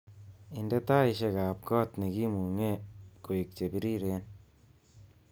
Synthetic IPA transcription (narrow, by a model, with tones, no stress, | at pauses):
i˨ndɛ˦ta˦i˨ʃe˧ka˨p̚kɔː˦tne˨ki˦mu˨ŋe˦ko˨i˨k̚t͡ʃe˨bi˦ɾi˦ɾe˦n